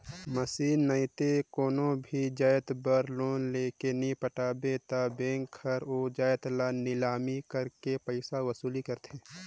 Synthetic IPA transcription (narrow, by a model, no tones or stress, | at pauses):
məsiːnːəɪt̪ekoːnõbʱid͡ʒaːjt̪bəɾloːnleːkenĩpəʈaːbet̪abẽːŋkʰːəɾoːd͡ʒaːjt̪lanɪlaːmikəɾkepəɪsawəsuːlikəɾt̪ʰẽː